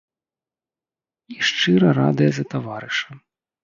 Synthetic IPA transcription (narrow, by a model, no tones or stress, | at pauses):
iʂt͡ʂɨɾɐɾa̰d̪ɨjɐzɐt̪avaɾɨʂɐ